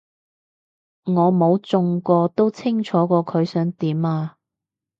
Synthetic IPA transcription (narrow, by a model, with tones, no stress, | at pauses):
ŋɔː˨˧mo˨˧wt͡sʊ˧ŋkɔː˧t̪o˥wt͡sʰɪ˥ŋt͡ʃʰɔː˨˥kɔː˧kʰɵ˨˧ɥsœː˨˥ŋt̪iː˨˥maː˧